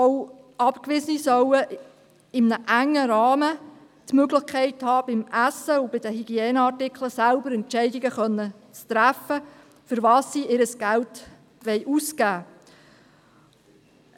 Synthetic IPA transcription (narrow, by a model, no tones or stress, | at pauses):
ow | ɑpkʋɪsənisœwə | ɪmnəʔæŋːəɾɑːmə | t̪møɡlɪχkʰɛɪthɑːb̥ɪmʔæsːəʊb̥ɪd̥̪əɦyɡiɛːnəɑrtɪkʰləsælbəɾɛnt͡ʃɛɪdɪɡəχœnːə | t͡st̪ɾæfə | fʏɾʋɑːsːiʔɪɾəsɡ̥ælt | ʋɛjʔuskæː